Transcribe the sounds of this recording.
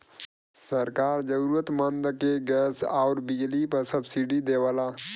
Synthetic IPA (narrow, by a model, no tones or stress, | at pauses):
sɐɾkaːɾd͡ʒɐɾuɾət̪mɐnd̪ɐkeɡesawɾbid͡ʒlipɐsɐbsiɖid̪eːwɐlaː